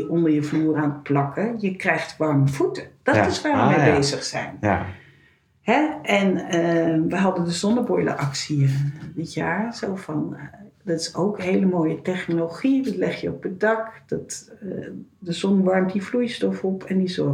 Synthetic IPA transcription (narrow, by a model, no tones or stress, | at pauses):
ʔɔndəɹjəvluːraːnətplɑkəjəkrɛjχtʋɑrməv̥utəd̥ɑtɪsʋaːjəmebejzəχsɛ̰jn | hɛɛnəʋəɦɑdəndəzɔnəbɔjlə̰ʔɑksiədɪtjaːɹzowfɑndɑtɪ̥sowkɦejləmoːjətɛχnoloχidɑtlɛχjəɔpədɑkdɑt | dəzɔnʋɑrmtdivlujstɔfɔpɛndizɔ